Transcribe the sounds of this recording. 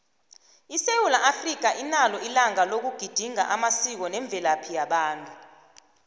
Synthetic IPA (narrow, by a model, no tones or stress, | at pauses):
isewulaʔafrik̬aʔinalɔʔilaŋalok̬uɡ̥ʱid̥ʱiŋa̰ʔamasik̬ɔnɛɱb̪vʱɛlapʰijaɓaːntʼu